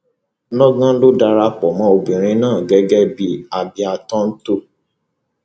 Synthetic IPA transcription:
nɔ̃˦ɡã˦lo˦da˧ɾa˧k͡pɔ˨mã˨˦o˧bĩ˨ɾ̃ĩ˧˦nãː˦˨ɡɛ˦ɡɛ˦bi˦a˨bi˨˧a˧tɔ̃˦n̩˦to˦˨

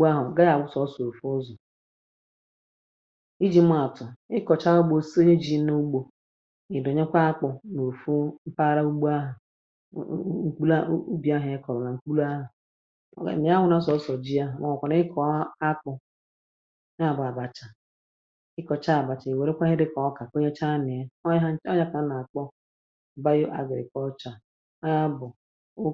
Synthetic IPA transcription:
ɡ͡bu˦a˦ɦʊ˨ɡa˦ja˨ɡʷʊ˦sɔ˦so˨fu˦ɔ˦zɔ˨ | i˦d͡ʒi˨m̩˦a˨tʊ˨ɪ˦kɔ˨t͡ʃa˦ʊ˦ɡ͡bo˨si˦o˦ɲe˦d͡ʒi˨˦no˦u˦ɡ͡bo˨ | ɪ˨dɔ˨ɲe˦kʷa˦a˦k͡pɔ˨no˨fo˦m̩˦pa˦ɾa˦u˦ɡ͡bo˦a˦ɦʊ˨˦ | ŋ̩˦k͡pu˦lu˦bi˨˦a˦ɦe˦kɔ˨ɾɔ˨na˨ŋ͡m̩˦k͡pu˦la˦ɦʊ̰˨ | nɪ˨˦a˦wʊ˦na˦sɔ˨˦sɔ˨d͡ʒi˦a˦˨ŋa˨ɔ˨kʷa˨na˦ɪ˦kɔ˨˦a˦k͡pʊ˨˦ | a˦˨bʊ˨a˨ba˨t͡ʃa˨ | ɪ˦kɔ˨t͡ʃa˦a˨ba˨t͡ʃa˨i˨we˨ɾe˦kʷa˦ɦɪ˦dɪ˦kɔ˨˦ka˨ko˦ɲe˦t͡ʃa˦nɪ˨e˦ɔ˦ɲa˦ka˨˦na˨k͡pɔ˦ | ba˦jʊ˦ʔa̰˨ɡɪ˨ɾɪ̰˨kɔ˦t͡ʃa˨ | a˦bʊ˨˦

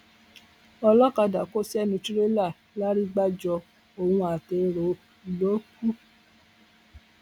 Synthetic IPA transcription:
ɔ˧lɔ˦ka˧da˨ko˦sɛ˦nĩ˧ti˦ɾe˦la˦˨ | la˦ɾi˦ɡ͡ba˦d͡ʒɔ˧ | o˨hũ˧a˨te˧ɾo˨˦˨ | lo˦ku˦

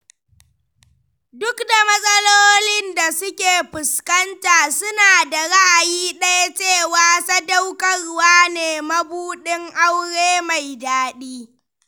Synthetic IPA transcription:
dʊ˦kda˨mɐ˦sʼɐ˦loː˦lɪ˦nda˨sʊ˦kʲeː˨ɸɪ˨skɐ˦ntaː˨sʊ˦naː˨da˨ɽa˦ʔa˨jiː˦ɗa˦ja˦t͡ʃeː˦˨waː˦sɐ˦da˦wkɐ˦˨rʊ˦waː˦neː˨mɐ˦buː˦ɗɪ˦ŋʔa˦wɽeː˦ma˨jdaː˦ɗiː˦

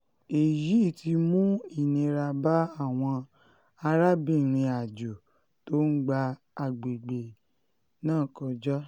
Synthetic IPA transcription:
e˨ji˨˦˨ti˧˦mũ˦i˦˨nĩ˨˧ɾa˧ba˦a˦˨w̃ɔ̃˧ | a˧ɾa˦bi˦˨ɾ̃ĩ˧a˨d͡ʒo˨ | to˦n̩˦ɡ͡ba˧ | a˧ɡ͡be˨ɡ͡be˨ | nãː˦˨kɔ˧d͡ʒɔ˦

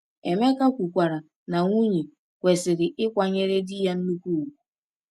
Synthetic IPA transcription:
e˨me˦ka˦kʷu˨kʷa˨ɾa˨ | na˨ŋʷu˦ɲe˨ | kʷe˨sɪ˨ɾɪ˨ʔɪ˦kʷa˨ɲe˦ɾe˦dɪ˦ja˦n̩˦nu˦kʷu˦˨wu˨

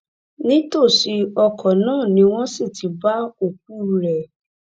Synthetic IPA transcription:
nĩ˦to˦˨ʃi˧ɔ˧kʰɔ˨nãː˦˨nĩ˨˦w̃ɔ̃˦si˦˨tʰi˨˦ba˦o˨k̚u˦˨ɾɛ˨

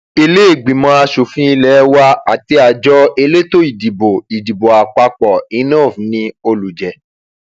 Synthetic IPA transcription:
e˧le˦e˦˨ɡ͡bĩ˨mɔ̃˧˦a˧ʃo˨fĩ˦i˧lɛ˨˦wa˦a˨ti˧a˨d͡ʒɔ˦e˧le˦to˦i˨di˨bo˨i˨di˨bo˨a˨k͡pa˧k͡pɔ˨i˨˦nɔ̃ː˦˨fũ˨˦nĩ˧o˧lu˨d͡ʒɛ˨

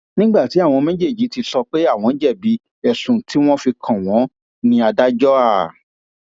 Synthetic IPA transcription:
nĩ˦ɡ͡ba˦˨ti˨˦a˦˨w̃ɔ̃˧mɛ̃˦d͡ʒe˦˨d͡ʒi˨˦ti˧sɔ˧k͡pe˦a˦˨w̃ɔ̃˧˦d͡ʒɛ˦˨bi˨˦ | ɛ˨sũ˨tʰi˦w̃ɔ̃˦fi˧kʰã˨w̃ɔ̃˨˦ | nĩ˧a˧da˦d͡ʒɔ˦a˦˨

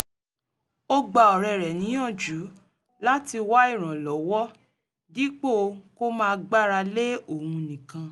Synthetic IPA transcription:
o˦ɡ͡ba˧˨ɔ˨ɾɛ˧˨ɾɛ˨nĩ˨˦ã˦˨d͡ʒu˨˦ | la˦ti˧wa˦i˦˨ɾ̃ã˨lɔ˨˦wɔ˦ | di˦k͡po˦˨˧ko˦mãː˦˧ɡ͡ba˦˨ɾa˧le˦o˦˨ũ˧nĩ˨kã˧

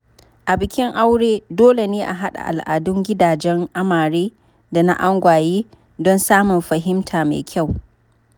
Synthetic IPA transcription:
ʔa˨bɪ˨kʲɪ˦ŋʔa˦wɽeː˦doː˦le˨neː˦ʔa˨ɦa˦ɗa̰˨ʔa̰˨lʔa̰ː˨dʊ˦ŋɡʲɪ˦daː˨d͡ʒɛ˦ŋʔa˦maː˨ɽeː˦ | da˨na̰˦ʔa˦ŋɡʷaː˨jiː˦ | dɔ˦nsaː˦mʊ˨nɸɐ˨ɦɪ˦mtʰaː˨mḛː˨kʲʰa˦˨w

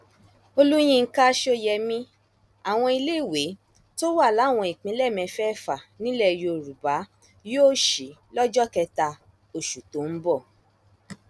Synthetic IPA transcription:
o˧lu˦j̃ĩ˦˧ŋ̩˦ka˦ʃo˦jɛ˧mĩ˧ | a˨w̃ɔ̃˧i˧le˦˨we˨˦ | to˦wa˦˨la˨˦˨w̃ɔ̃˧i˨k͡pĩ˨˦lɛ˦˨mɛ̃˧fɛ˦˨fa˨nĩ˦lɛ˦˨jo˧˨ɾu˨ba˨˦ | joː˦ʃi˨˦lɔ˦d͡ʒɔ˦kɛ˧ta˧ | o˨ʃu˨to˨˦n̩˦bɔ˦˨

